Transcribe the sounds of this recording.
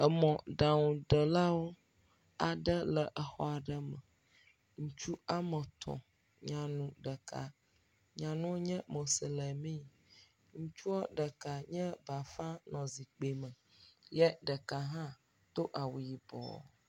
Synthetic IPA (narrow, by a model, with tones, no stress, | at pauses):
ə˨mɔ̃˨ɖa˨ŋũ˨d̪ə˨la˦wo˦ | a˨ɖə˦lə˨ʔə˨xɔ˦a˨ɖə˦mə˨ | ŋũ˦t͡ʃu˦a˦mə˨t̪ʰɔ̰̃˨ | ɲã˨nũ˨ɖə˨ka̰˨ | ɲã˨nũ˦wo˦ɲɛ̃˦mo˨sə˨lə˨mĩ˦˨ | ŋũ˦t͡ʃu˦ɔ˦ɖə˨ka˨ɲɛ̃˦ba˨fã˦nɔ̃˨zi˨k͡pe˨mə̃˨ | jɛ˦ɖə˨ka˨ɦã˦ | t̪o˦ʔa˨wu˨ji˨bɔ̰˨